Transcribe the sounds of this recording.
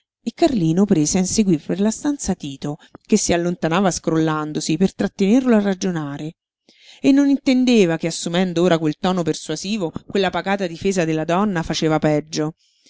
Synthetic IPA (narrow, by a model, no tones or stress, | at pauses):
ekːarliːnopɾeːzeanseɡwirperlast̪ant̪sat̪iːt̪okesːialːont̪anaːvaskɾolːand̪osipert̪ɾat̪ːenerloarːad͡ʒonaːɾe | enːonint̪end̪eːvakeasːumɛnd̪ooːɾakwelt̪ɔːnopersuaziːvokwelːapaɡaːt̪ad̪ifeːzad̪elːad̪ɔnːafat͡ʃeːvapɛd͡ʒːo